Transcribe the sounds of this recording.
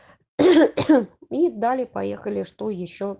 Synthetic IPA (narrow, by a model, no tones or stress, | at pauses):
id̪alʲɪpɐjexəlʲɪʂt̪ojɪɕːo